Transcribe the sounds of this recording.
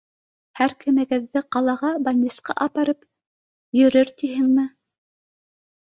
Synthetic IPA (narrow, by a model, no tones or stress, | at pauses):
hæɾkɘ̆mæɡæðːɘqɑlˠɑʁɑbɑnʲːisqɑ̰ʔɑpɑɾɤp | jɵ̆ɾɘɾt̪iɦɘŋmɘ